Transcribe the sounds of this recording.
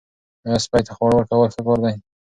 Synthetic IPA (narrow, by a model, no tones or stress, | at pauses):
aspɑjt̪axwaɽwəɾkawəlxəkoɾd̪aj